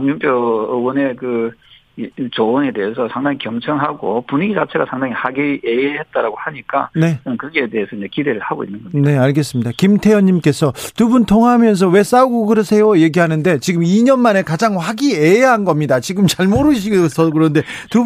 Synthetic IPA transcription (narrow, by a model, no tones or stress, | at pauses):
ɲumpʰjowʌne̞kɯ | t͡ɕoːne̞de̞esʰʌsʰaŋdaŋikjʌŋt͡ɕʰʌŋɦaɡopuɲiɡid͡ʑat͡ɕʰe̞ɡasʰaŋdaŋihaɡieehe̞t̚t͈aɾaɡohaɲik͈a̰ne̞ʌnkɯɡeede̞esʰʌiɲd͡ʑe̞kide̞ɾɯɭhaɡoinːɯnɡʌne̞aɭɡe̞s͈ɯmɲidakimtʰe̞jʌɲːimk͈e̞sʰʌtubuntʰoŋɦamjʌns̬ʰʌwe̞s͈auɡokɯɾʌsʰe̞joje̞ɡiɦanɯnde̞t͡ɕiɡɯmiɲʌnmane̞kad͡ʑaŋɸwaɡieeɦanɡʌmɲidat͡ɕiɡɯmt͡ɕaɭmoɾɯɕ̬ʰiɡsʰʌkɯɾʌnde̞tu